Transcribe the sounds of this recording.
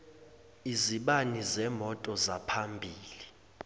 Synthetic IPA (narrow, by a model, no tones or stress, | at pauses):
iziɓanizɛmɔtʼɔzapʰambʱiːli